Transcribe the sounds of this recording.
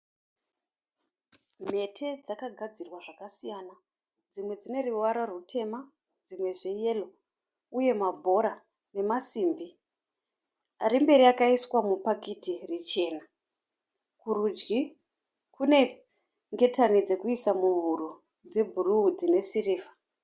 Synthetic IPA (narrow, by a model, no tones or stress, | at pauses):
m̤e̞tʰe̞d͡zakaɡʱad͡zirwaʐakasijana | d͡zimwe̞d͡zine̞ruwaɾorutʰe̞ma | d͡zimwe̞ʐe̞je̞lo̞ | uje̞mabʱo̞ɾa | ne̞masiːmbi | aɾimbe̞ɾiakaiswamupakitirit͡ʃe̞ːna | kurud͡ʒɡi | kune̞ | ŋɡe̞tanid͡ze̞kuisamuɦuɾu | d͡ze̞bʱuruud͡zine̞siriːva